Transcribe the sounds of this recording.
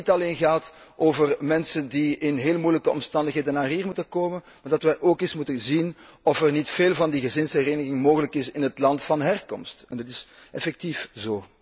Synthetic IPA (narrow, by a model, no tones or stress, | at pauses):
itɑleːnɣaːt | ʔoːvərmɛnsəndiɪnɦeːlmujləkəɔ̰mstɑndəxɦeːdənːaːrɦiːrmutənkoːmən | maːrdɑtʋɛjʔoːkesmutəzin | ɔfərnitfeːlˠvɑndiɣəzɪnshɛreːnəɣɪŋmoːɣələkɪsɪnɦətlɑntfɑnɦɛrkɔ̰mstɛndɑtɪsʔɛfɛk̚tifzoː